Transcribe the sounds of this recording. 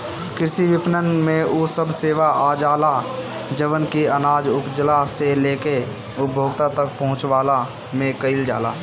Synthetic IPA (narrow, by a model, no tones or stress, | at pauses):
kɪɾsiʋɪpnənmẽosəbseːʋaʔaːd͡ʒaːla | d͡ʒəʋənkiənaːd͡ʒʊpd͡ʒəlaseleːke | ʊtbʱoːɡt̪at̪ək̚pəɦʊ̃t͡ʃwaːla | mẽkəɪld͡ʒa̰ːla̰ː